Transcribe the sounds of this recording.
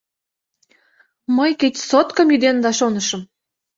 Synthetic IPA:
məjket͡ɕʲsot̪kə̆mjyd̪end̪ɑʃonəʃə̆m

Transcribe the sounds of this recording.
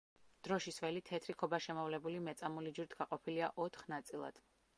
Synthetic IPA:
d̪̥ɾɔʃisvɛlit̪ʰɛt̪ʰɾikʰɔbaʃɛmɔvlɛbulimɛt̪sʼamulid͡ʒuɾit̪ʰɡ̥aqʼɔpʰiliaʔɔt̪ʰχnat̪sʼilˠa̰d̪̥

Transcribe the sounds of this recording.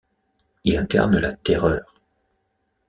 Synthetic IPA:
ilɛ̃ka̰ʁnəlat̪eʁœːʁ

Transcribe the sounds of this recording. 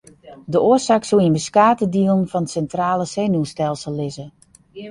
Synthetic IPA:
dəoəsaːksuinbəskaːtədiəlˠn̩fɔnsɛntraːləseːnustɛlˠsəlˠːɪzə

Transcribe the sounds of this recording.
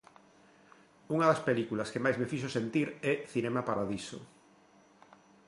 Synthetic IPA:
uŋɐðɐspelikulɐskemajzmefiʃosent̪iɾɛθinɛmapaɾaðiso̰

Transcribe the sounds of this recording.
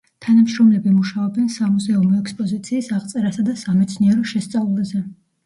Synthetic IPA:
t̪ʰanamʃɾɔmlɛbimuʃaɔbɛnsamuzɛumɔɛkspʼɔzit̪sʰiːsaʁt̪sʼɛɾasad̪asamɛt̪sʰniɛɾɔʃɛst̪sʼavlˠazɛ

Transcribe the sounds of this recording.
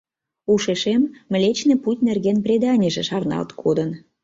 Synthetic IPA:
uʃeʃemːə̆lʲet͡ɕneputʲnerɣenprʲed̪ɑnʲeʒĕʃɑrnɑ̰lt̪kʰod̪ən

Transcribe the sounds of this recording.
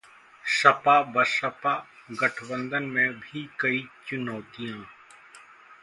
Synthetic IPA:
ʃɐpaːbɐʃɐpaɡɐʈʰbə̃nd̪ənmẽbʱikɐit͡ʃʊnɔːt̪ijãː

